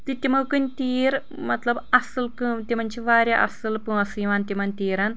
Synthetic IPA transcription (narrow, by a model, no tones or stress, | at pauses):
t̪it̪ʲimɐwkɨnʲt̪iːɾ | mɐt̪lɐbɐsɨlkɨt̪ʲimɐnʲt͡ʃʰiʋaːɾʲjaʔɐ̰sɨlpɨ̃ɐsɨːʋaːnt̪ʲimɐnʲt̪iːɾɐn